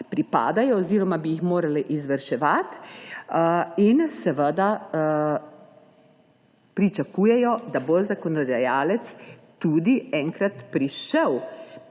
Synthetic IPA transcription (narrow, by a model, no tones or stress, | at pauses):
pɾipa̰ːd̪ajɔːziːɾɔmabijixmoːɾaliʔizʋəɾʃɛʋat̪ | insɛʋəd̪a | pɾit͡ʃakuːjɛjɔd̪abozakɔnɔd̪ajaːlɛt̪st̪ud̪iɛŋkɾat̪pɾiʃɛw